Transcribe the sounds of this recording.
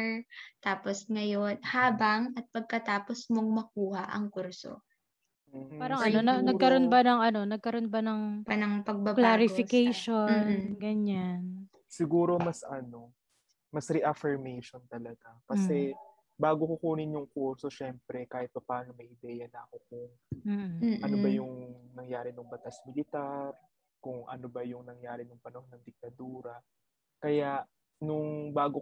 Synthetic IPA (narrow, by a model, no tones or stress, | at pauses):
t̪aːposŋɐjonhaːbɐŋɐt̪̚pɐɡ̚kɐt̪aːposmɐŋmɐkuːhɐʔɐ̰ŋkuɾso̰ː | paːɾɐŋʔɐno̞nɐnɐɡkɐɾo̞nbɐnɐŋɐno̞nɐɡ̚kɐɾonbɐnɐŋpɐnɐŋpɐɡ̚bɐbklaːɾɪfɪkɛjʃonɡɐɲan | sɪɡuːɾo̞mɐsʔɐno̞ | mɐsɾɛʔɐfɛɹmɛjʃont̪ɐlɐɡakɐsɛ | baːɡokʊkuːnɪnjʊŋkuɾso̞ʃɛmpɾɛkaːhɪt̪̚pɐpaːnomɐjʔɪd̪ɛjɐnɐɐkokʊŋ | m̩ːɐnobɐjʊŋnɐŋjaːɾɪnʊŋbɐt̪asmɪlɪt̪aɾ | kʊŋʔɐ̰nobɐjʊŋnɐŋjaːɾɪnʊŋpɐnɐhonɐŋd̪ɪk̚t̪ɐd̪uːɾɐ | kɐjaʔ | nʊŋbaːɡo